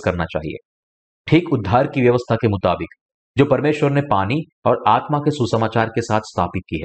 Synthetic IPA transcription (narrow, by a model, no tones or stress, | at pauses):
kɐɾnat͡ʃa̰ːɦḭḛː | ʈʰiːkʊd̪ʱːaːɾkiʋjɐʋəst̪ʰakemʊt̪aːbɪk | d͡ʒoːpɐɾmeːʃwəɾnepaːni | ɔːɾaːt̪makesusəmaːt͡ʃaːɾkesaːt̪ʰst̪ʰaːpɪt̪̚kiɦɛ̰ː